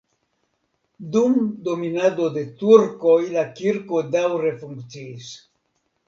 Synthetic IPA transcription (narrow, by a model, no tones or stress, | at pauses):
d̪umd̪ominad̪od̪et̪uɾkojlakiɾkod̪awɾefuŋkt͡siis